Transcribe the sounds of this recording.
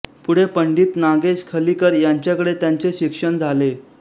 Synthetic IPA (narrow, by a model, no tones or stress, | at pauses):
puɽ̤epəɳɖiːt̪naɡeskʰəlikəɾjaɲt͡ɕjakəɽet̪jaɲt͡seɕikʂəɳd͡zʱale